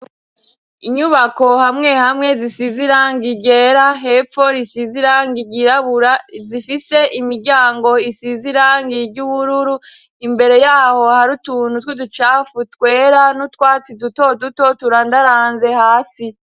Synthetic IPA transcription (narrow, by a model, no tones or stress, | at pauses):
iɲuβako̞hamŋe̞hamŋe̞zisiziɾaːŋɡiɟe̞ɾaɦe̞fo̞ɾisiziɾaːŋɡiɟiɾaβuɾazifise̞ʔimiɾɟaːŋɡo̞isiziɾaːŋɡiɾɟuβuɾuɾu | imbe̞ɾe̞jaːho̞haɾutuːnhutwidut͡ʃaːfutkwe̞ːɾanutkwaːt͡siduto̞duto̞tuɾandaɾaːnze̞haːsi